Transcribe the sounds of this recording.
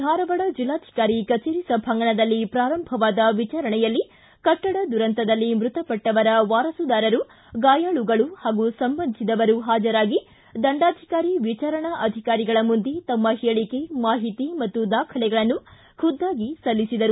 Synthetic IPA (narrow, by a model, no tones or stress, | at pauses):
d̪ʱaːɾɐʋɐɽɐd͡ʒilːaːd̪ʱi̥kaːɾikɐt͡ʃeːɾisɐbʱɐŋɡɐɳɐd̪ɐlːipɾaːɾɐmbʱɐʋaːd̪ɐʋit͡ʃaːɾɐɳɛjɐlːi | kɐʈːɐɽɐd̪uɾɐnt̪ɐd̪ɐlːimɾut̪ɐpɐʈːɐʋɐɾɐʋaːɾɐsud̪aːɾɐɾu | ɡaːjaːɭuɡɐɭuhaːɡusɐmbɐnd̪sid̪ɐʋɐɾuɦaːd͡ʒɐɾaːɡi | d̪ɐɳɖaːd̪ʱikaːɾiʋit͡ʃaɾɐɳɐʔɐd̪ʱikaːɾiɡɐɭɐmund̪et̪ɐmːɐɦeɭike̞maːɦit̪imɐt̪ːud̪aːkʰɐlɛɡɐɭɐnːu | kʰud̪ːaːɡisɐlːisid̪ɐɾu